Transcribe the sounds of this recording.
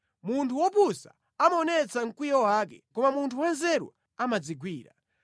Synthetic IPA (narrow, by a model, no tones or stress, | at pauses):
muntʰuwɔpusa̰ | amaɔnɛt͡saŋ̩kwijɔwaːkɛkɔmamuntʰuwanzɛɾṵ | amad͡ziɡwiːɾa̰